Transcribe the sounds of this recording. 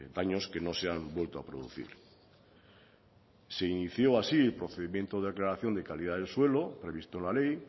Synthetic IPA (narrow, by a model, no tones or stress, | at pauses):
d̪aɲoske̞noseambwe̞lt̪oa̰pɾoðṵθḭɾ | se̞iniθjo̞asielpɾoθeðimjent̪oðaklaɾaθjo̞ne̞kalið̞aðelswe̞lopɾe̞β̞ist̪oenlalej